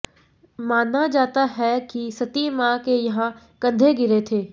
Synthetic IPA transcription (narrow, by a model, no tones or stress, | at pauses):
maːnːad͡ʒaːt̪aɦɛkisɐt̪imãːkejɐɦã | kɐ̃nd̪ʱeɡɪɾet̪ʰeː